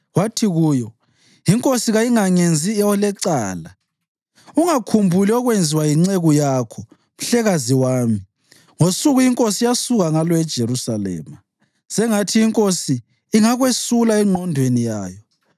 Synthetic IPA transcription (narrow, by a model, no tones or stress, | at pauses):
watʰiɣuːjɔ | jiŋkʼosiɣajiŋaŋend͡zʱiɔlɛǀaːla | uŋakʰumbʱuliɔɣwend͡zʱiwajiŋ͡ǀeɣujakʰɔ | m̩ɬɛɣaziwaːmi | ŋosuɣujiŋkʼosijasuɣaŋalɔɛd̥ʒ̥ʱeɾusalɛ̰ːma | sɛŋatʰiiŋkʼosiː | ŋaɣwesulaɛŋ͡ǃɔndʱwenijaːjɔ